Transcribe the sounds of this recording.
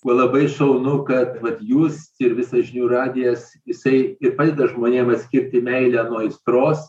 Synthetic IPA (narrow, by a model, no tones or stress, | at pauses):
kuɔlˠɐbɐɪʃɐʊnʊkɐt̪ʋɐt̪juːsɪɾʋʲɪsɐsʒʲɪnʲuːɾɑːdʲɪjɛs | jɪsɐɪɪɾpɑːd̪ʲeːd̪ɐʒmoːnʲeːmɐt̪ʲsʲkʲɪɾʲt̪ʲɪmʲɛɪlʲænuɔɪst̪ɾoːs